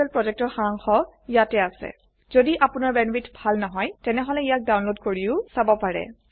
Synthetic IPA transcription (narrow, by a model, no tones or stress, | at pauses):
ɛlpɹɔzɛk̚tɔxaŋxɔijatɛasɛ̰ | z̥odiʔapʊnaɹbɛnbitbʱalnɔɦɔjtɛnɛɦɔlɛijak̚dawnlodkoɹiʊsabɔpaɹɛ̰